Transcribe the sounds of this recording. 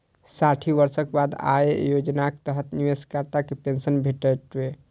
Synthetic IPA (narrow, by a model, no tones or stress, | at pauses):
saʈʰibəɾsəkebad̪a̰ejod͡ʒnakt̪əɦət̪niʋeskaɾt̪akepensənbʱeʈəʈbe